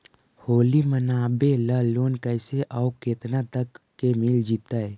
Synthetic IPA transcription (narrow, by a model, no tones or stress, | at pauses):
hoːlimənaːbeləloːnkəɪseʔaʊkeːt̪nat̪əkːemɪld͡ʒit̪ae